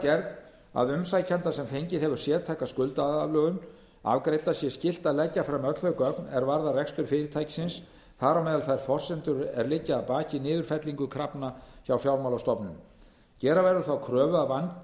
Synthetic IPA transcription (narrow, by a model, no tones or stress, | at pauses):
cɛɾð | a̰ðʏmsajcʰant̪asɛmfejɲcɪðhɛvʏɾ̥sjɛːɾt̪ʰajkaskʏlt̪aaðalœːɣʏn | a̰vkɾejt̪asjɛscɪl̥t̪aðlɛcːafɾamœt̪l̥hœhkœpnɛɾvaɾðarɛkst̪ʏɾ̥fɪːɾɪt̪ʰajcɪ̥sɪns | θaɾawmɛːðalθajɾ̥fɔr̥sɛnt̪ʏɾɛ̰ɾlɪcːaːðpaːcɪnɪːðʏɾ̥fɛt̪liŋkʏkʰɾapnaçawfjawɾmawlast̪ɔpnʏm | cɛːɾavɛɾʏɾθawkʰɾœːvʏavanc